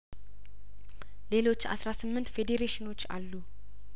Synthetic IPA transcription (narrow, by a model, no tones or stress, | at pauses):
le̞lo̞t͡ʃːa̰sɾasɨmːɨnt̪fed̪eɾeʃɪno̞t͡ʃːa̰lːu